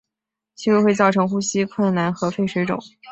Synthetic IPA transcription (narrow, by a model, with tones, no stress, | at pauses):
t͡ɕʰi˧˥ʂu˥˧˥xwe˥˧ɪt͡sɑ˥˩ʊʈ͡ʂʰɤ˧˥ŋxu˥ɕi˥kʰwə˥˩nna˧˥nxɤ˧˥fe˥˩ɪʂwe˧˥ɪʈ͡ʂʊ̰˨˩˦ŋ